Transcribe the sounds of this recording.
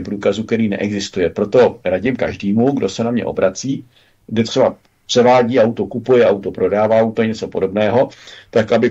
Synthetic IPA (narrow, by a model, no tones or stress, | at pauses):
mpɾuːkazukt̪ɛɾiːnɛ̰ʔɛɡzɪst̪ujɛpɾot̪o̞ɾaɟɪmka̰ʒdiːmuɡdo̞sɛnamɲɛ̰ʔo̞̰bɾʔat͡siː | dɛt̪r̥ɛba | pr̥ɛvaːɟiːʔawt̪okupujɛʔawt̪opɾo̞daːvaawt̪oɲɛt͡sopodo̞bnɛːɦo̞t̪akʔabɪ